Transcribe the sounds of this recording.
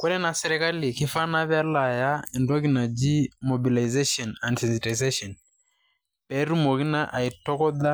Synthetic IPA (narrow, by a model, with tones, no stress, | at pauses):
kwu˦lɛ˦na˨sɛ˨ɾɛ˨ka˦li˨ki˦fa˦na˦βa˦la˨ja˦ɛ˨ndɔ˦ki˦na˨d͡ʒi˦mo˨bi˨la˨jze˦ʃɔ˨na˨ndsɛ˨nsi˨ta˨ze˦ʃɔ˨n | pɛ˨˦ɾu˦mo˨ki˦na˦ʔa˨i˨tɔ˦kɔ˦ða˦